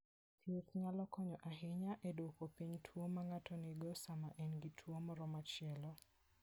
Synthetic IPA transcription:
t̪jetɲalɔkɔɲɔʔaɦɪɲaʔedwokopiɲtʰwomaŋatɔnɪɡɔsamaʔɛnɡitʰwomɔɾɔmat͡ʃɪɛlɔ

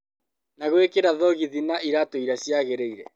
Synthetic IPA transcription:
naɣwekeɾaðɔɣiðinaʔiɾatoiɾasjaɣeɾeiɾɛ̰

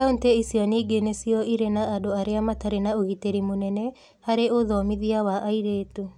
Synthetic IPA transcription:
aunteisjɔneɡenesiɔʔiɾenaːdoaɾeamataɾenaoɣiteɾimonɛnɛ | haɾeoðɔːmiðiawaʔaiɾeːtu

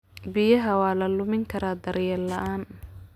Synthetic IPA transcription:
bɪjɐɦɐwɑːlɐlʊmɪŋkʰɐɾaːd̪ɐɾjɛlɐʔaːn

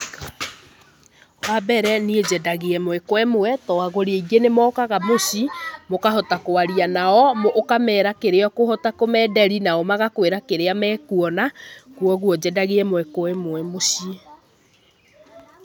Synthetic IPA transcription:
wabɛɾɛnied͡ʑɛdaɣeɛmwɛkoɛmoɛtɔaɣoɾeeiɡenemɔkaɣamoɕimokaɦɔtakoaɾianaɔmoʔːkamɛːɾakeɾeɔkoɦɔtakomɛːdɛɾinaɔmaɣakweɾakeɾeamɛːkuɔnakuɔɣuɔd͡ʑɛdaɣeɛmowɛkoɛmoɛmosi

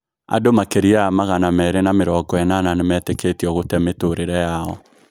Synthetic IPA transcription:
a̰domakeɾiaamaɣanamɛːɾenameɾɔɡɔɛnananemɛːteketiɔɣotɛmetoɾeɾɛjaɔ̰

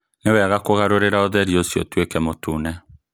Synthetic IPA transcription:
newɛɣakoɣaɾoɾeɾaoðɛɾjosjotwekɛmotunɛ

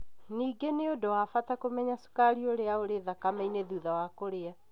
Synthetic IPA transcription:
niːɡeneodowafatakomɛɲasu̥kaɾioɾeaoɾeðakamɛineðuðawakoɾea

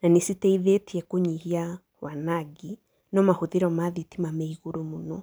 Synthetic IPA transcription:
nanesitɛiðetiɛkoɲihia | wanaɡi | nɔmahoðiɾɔmaðitimamaiɣoɾomonɔ

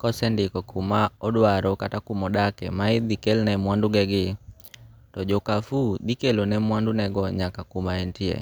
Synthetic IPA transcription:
kɔsɛndɪkɔkʰumaɔdwaɾɔkatakumɔdakɛ̰maɪd̪ikelnɛmwandʊɡɛɡɪ | tɔd͡ʒokafudikelonɛmwandʊnɛɡɔɲakakumaentiḛ

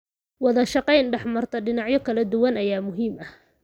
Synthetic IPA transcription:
wɑðɐʃɑqɛjnɖɛħmɐrt̪ʰɐɖɪnɑʕjɔkʰɐlɐd̪ʊwɐnɐjaːmʊɦiːmɐ

